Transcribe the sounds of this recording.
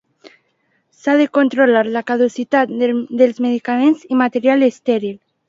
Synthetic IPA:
sað̞ekont̪ɾolaɾlakað̞usit̪at̪̚d̪elzmeð̞ikamenzimat̪eɾjalest̪eɾil

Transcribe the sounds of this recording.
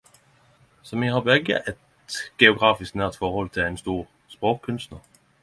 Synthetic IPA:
sɔmihɑbɛɡə̰ʔɛt̪ | ɡ̥ɛʊɡʁɑːfɪsk̚næɐt̪fɔʁhɔlt̪ʰɪlenst̪uːʁ | spʁoːkʰːʉnst̪nəʁ

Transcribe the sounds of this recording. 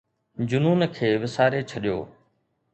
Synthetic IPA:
d͡ʑʊnuːnkʰeːʋɪsaːɾet͡ɕʰɐɗijo̰ː

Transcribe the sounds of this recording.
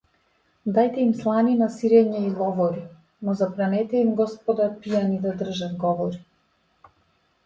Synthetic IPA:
d̪ajt̪ɛimslˠaninasiɾɛɲailˠɔvɔɾi | nɔzabɾanɛt̪ɛimɡɔspɔd̪apijanid̪ad̪r̩ʒad̪ɡɔvɔɾi

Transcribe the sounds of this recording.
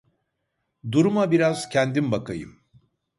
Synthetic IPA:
d̪uɾumabiɾaz̥cʰɛnd̪imbakajɯ̰m

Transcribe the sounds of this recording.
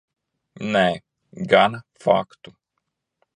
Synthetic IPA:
nɛ | ɡanəfa̰kt̪o̥

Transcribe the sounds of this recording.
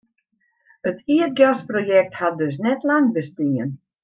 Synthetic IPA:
ətʰiət̚ɡjasprojɛk̚that̚døs̬nɛtlaŋbəstiŋjə̰n

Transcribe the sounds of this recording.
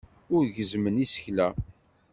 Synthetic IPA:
ʊɾʝəzmənisə̥çlæ

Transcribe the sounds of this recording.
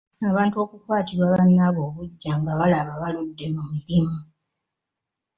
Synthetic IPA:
aβaːntuo̞ːkukwaːtiɾwaːβanːaβo̞ːβuɟːaŋɡaβalaβaβaludːe̞mumiɾimu

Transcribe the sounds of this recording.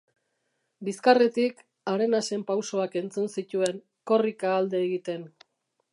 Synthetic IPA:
biskaret̪ik | aɾe̞nase̞mpawso̞ake̞nt͡sunsit̪ue̞ŋ | ko̞rikaːld̪e̞ːɣit̪e̞n

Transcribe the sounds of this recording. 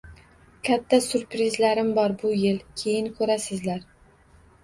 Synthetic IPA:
kʲʰat̪ʰːasʊɾpɾɪzlaɾɪmbɒɾbʊjɪlkʲʰe̞jɪnkʰɵɾasɪzlaɾ

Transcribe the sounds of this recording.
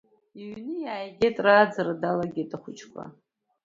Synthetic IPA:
iɥnɨjaːjɡʲetʼraːd͡zaɾadalaɡʲitʼaχʷʊt͡ʃʰʼkʷʰa̰

